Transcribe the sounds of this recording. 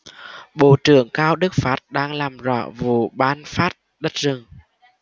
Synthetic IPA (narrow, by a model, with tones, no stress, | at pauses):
ɓo̰˧˨t͡ɕɨ˧˩˨əŋkaː˧wɗɨ˦˥k̚faː˦˥t̚ɗaː˧ŋlaː˨˩mzɔ̰˧˩˨vṵ˧˨ɓaː˧nfaː˦˥t̚ | ɗə˦˥t̚zɨ˨˩ŋ